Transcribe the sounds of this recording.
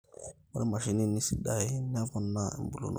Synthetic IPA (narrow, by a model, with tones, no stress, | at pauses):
wa˦ɾɛ˦ma˨ʃi˨ni˦˨nːi˦si˨da˨e˦nː˦a˦vɔ˨nːa˦ɛ̰˨mbu˨lo̰˨nʔ